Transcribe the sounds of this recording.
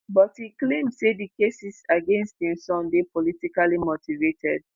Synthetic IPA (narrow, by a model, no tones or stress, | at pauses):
bɔthiklẽmdsedikesisaɡẽnst̚hĩmsɔ̃ndepɔlitikalimotʰivetʰɛ̰d̚